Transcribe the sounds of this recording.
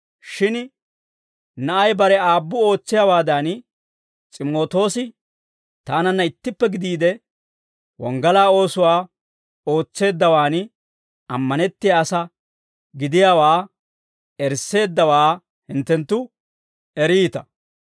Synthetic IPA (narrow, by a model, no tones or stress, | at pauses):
ʃɪn | nɐʔɐjbɐɾɛaːbːʊo̞ːt͡sːɪjawaːd̪an | t͡sʼɪmo̞ːt̪o̞ːsɪ | t̪aːnɐnːɐɪt̪ːɪpːɛɡɪd̪iːd̪ɛ | wɔ̰ŋɡɐlaːo̞ːsʊwaː | o̞ːt͡sːe̞ːd̪ːɐwaːn | ɐmːɐnɛt̪ːɪjaːsɐ | ɡɪd̪ɪjaːwaː | ɛɾse̞ːd̪ːɐwaː | hɪnt̪ːɛnt̪ːʊ | ɛɾiːt̪ɐ̥